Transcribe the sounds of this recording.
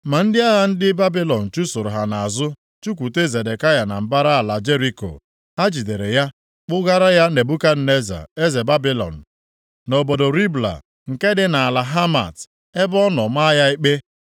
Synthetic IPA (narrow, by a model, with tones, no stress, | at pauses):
ma˨n̩˦dɪ˦a˦ɣa˦n̩˦dɪ˦ba˦bi˦lɔ˨n̩˨t͡ʃu˦sʊ˨ɾʊ˨ɦa˨na˨a˨zʊ˦ | t͡ʃu˦kʷu˨te˦ze˨de˨ka˦ja˨na̰˨m̩˨ba˦ɾa˦a˨la˨d͡ʒe˦ɾi˦ko̰˨ | a˦d͡ʒi˨de˨ɾe˨ja˦ | k͡pʊ˦ɡa˦ɾa˦ja˦ne˨bu˦ka˦n̩˦ne˦za̰˨e˦ze˨ba˦bi˦lɔ̰˨n̩˨ | no˨bo˨do˨ɾi˦bla̰˨ | ŋ̩˨ke˦dɪ˦na˨a˨la˨ɦa˦ma̰˨t | e˦bɔ˦nɔ˨ma˦ja˦i˦k͡pe˦